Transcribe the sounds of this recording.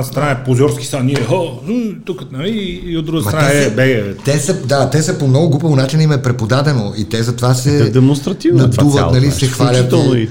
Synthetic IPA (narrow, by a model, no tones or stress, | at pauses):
st̪ɾanɛpozʲɔɾski̥st̪anniɛɦout̪ukət̪nɐliːod̪d̪ɾuɡəsmɐɾaaɛbɛɡɛt̪ɛsəd̪at̪ɛsɐpomnɔɡʊɡubɐvonat͡ʃinɐimɛpɾɛpod̪ad̪ɛnoit̪ɛzɐt̪ovasɛd̪ɛmonst̪ɾɐt̪ivnɐd̪uvənɐlisɛxvalʲt͡ʃət̪ɛlni